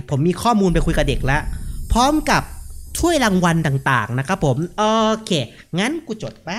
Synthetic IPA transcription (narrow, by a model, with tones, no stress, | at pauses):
pʰo˩˦mːiː˧kʰɔː˥˩muː˧npa˧jkʰu˧ka˨˩de˨˩k̚la˦˥ʔpʰɔː˦˥mka˨˩p̚t͡ɕʰu˥˩əjɾaː˧ŋwa˧nt̪aː˨˩ŋt̪a̰ː˨˩ŋna˦˥kʰɾa˦˥pʰːo˩˦mʔoː˧kʰeː˧˩ | ŋa˦˥nku˨˩t͡ɕo˨˩t̪̚pa˦˥˩